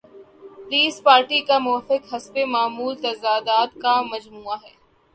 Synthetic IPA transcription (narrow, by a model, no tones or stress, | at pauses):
pliːspaːɾʈikamʊʋfɪkɦɐsbemaːmuːlt̪ɐzaːd̪aːt̪kamɐd͡ʒmuːaɦɛː